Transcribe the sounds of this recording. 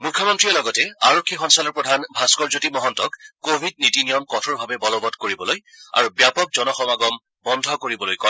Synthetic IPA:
mukʰːjɔmɔntɹijɔlɔɡɔtɛaɹokʰːixɔnsalɔɹpɹɔdʱanbʱaskɔɹzotimɔɦɔntɔkːobʱid̚nitinijɔmkɔtʰɔɹbʱabɛbɔlɔbɔtkoɹibɔloj | a̰ɹubjapɔk̚zɔnɔxɔmaɡɔm | bɔndʱɔkoɹibɔlojkɔ

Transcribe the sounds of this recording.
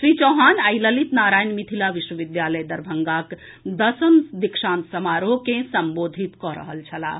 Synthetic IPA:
sɾit͡ʃɔɦaːnəjləlit̪naːɾaːjnmit̪ʰilaʋiʃwəʋid̪jaləjd̪ɐɾbʱəŋɡak | d̪əsəmd̪ikʂãːnt̪səmaːɾokẽsəmboːd̪ʱit̪kɔɾə̰ɦə̰lt͡ʃʰɐla̰ː

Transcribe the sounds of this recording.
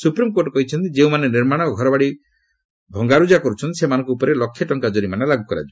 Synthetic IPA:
supɾimkoʈɔkɔɦit͡ʃʰɔnt̪id͡ʒeũmaneniɾmaɽ̃ɔɡʱɔɾɔbaɽi | bʱɔŋɡaɾud͡ʒakɔɾut͡ʃʰɔnt̪isemanɔ̃ŋkuupɔɾelɔkʰːjɔʈɔŋkad͡ʒɔɾimanelaɡukɔɾa̰d͡ʒʰi

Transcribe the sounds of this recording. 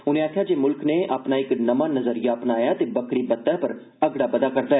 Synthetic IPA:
ʊnẽːaːkʰjaːd͡ʒeːmʊlkneːʔaːpnaːɪknəmãːnəzəɾijaːpnaːjaːt̪eːbəkɾiːbət̪ːɛːpəɾ | əɡɽaːbəd̪aːkəɾd̪aːɦɛː

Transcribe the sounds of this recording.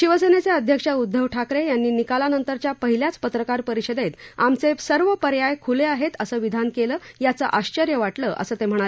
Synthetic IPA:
ɕiʋəsenet͡seəd̪ʱjəkʂəud̪ʱːəʋʈʰakɾejanːiːnikalanənt̪əɾt͡ɕjapəɦiljat͡spət̪ɾəkaɾpəɾiɕəd̪et̪amt͡sesəɾʋəpəɾjajkʰuleaɦet̪əsəːʋid̪ʱankeləːjat͡sə̰ʔaɕt͡ɕəɾjəʋaʈləʔə̰səːt̪em̤əɽ̃ale

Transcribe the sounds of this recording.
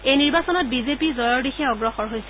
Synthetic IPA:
ejniɹbasɔnɔt̚bizepizɔjɔɹdixɛɔɡɹɔxɔɹɦojsɛ

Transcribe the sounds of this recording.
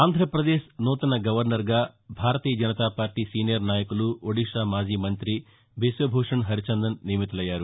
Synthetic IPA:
aːnd̪ʱɾɐpɾɐd̪eːʃnuːt̪ɐnɐɡɐʋɐɾnɐɾɡaːbʱaːɾɐt̪iːjɐd͡ʒɐnɐt̪aːpaːɾʈiːsiːnijɐɾnaːjɐkuluoɽiʂaːmaːd͡ʒiːmɐnt̪ɾi | besʋɐbʱoːʂɐɳɦɐɾit͡ʃɐnd̪ɐnːiːmit̪ɐlɐjːaːɾu

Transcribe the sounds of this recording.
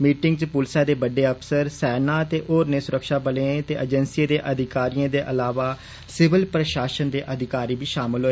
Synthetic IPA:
miːʈɪŋɡt͡ʃpʊlsaːd̪eːbəɖeːəpʰsəɾsɛːnãːət̪eːʔoːɾneːsʊɾəkʃaːbəlẽːt̪eːʔəd͡ʒənsieːd̪eːʔəd̪ɪkaːɾijãːd̪eːʔəlaːʋaː | sɪʋɪlpɾəʃaːʃənd̪eːʔəd̪ʱɪkaːɾiːbiːʃaːmɪlɦoːe

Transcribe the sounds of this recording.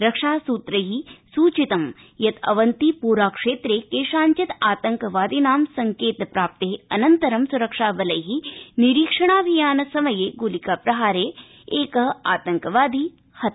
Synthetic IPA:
ɾɐkʂaːsuːt̪ɾɐɦisuːt͡ʃit̪ɐm | jɐt̪ʰɐ̰ʋɐnt̪ipuːɾaːkʂeːt̪ɾeːkeːʃaːɲt͡ʃit̪aːt̪ɐŋkɐʋaːd̪ʱinaːmsɐŋkeːt̪pɾaːp̚t̪eɦɐnɐnt̪ɐɾɐmsuɾɐkʂaːbɐlɐjɦiniɾiːkʂɐɳaːʋijaːnɐsɐmɐjeːɡulikaːpɾɐɦaːɾeː | eːkɐɦaːt̪ɐŋkɐʋaːd̪ʱi | hɐt̪

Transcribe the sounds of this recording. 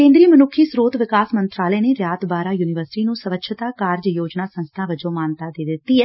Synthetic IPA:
kẽːnd̪ɾiːmənʊkʰːiːsɾoːt̪ʋɪkaːsmə̃nt̪ɾaːlɛːneːɾjaːt̪baːɾaːjuːnɪʋəɾsɪ̥ʈiːnũːsəʋəkʃʰət̪aːkaːɾd͡ʒjoːd͡ʒnaːsə̃nst̪ʰãːʋəd͡ʒõːmaːnt̪aːd̪eːd̪ɪt̪ːiːɦɛː

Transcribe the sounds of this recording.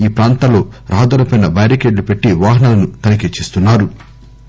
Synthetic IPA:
iːpɾaːnt̪alo̞ːɾʔaːd̪ɐlɐpɐjnɐbɐjɾikeːɖlupe̞ʈːiʋaːɦɐnaːlɐnut̪ɐnɐket͡ʃːist̪unːaːɾu

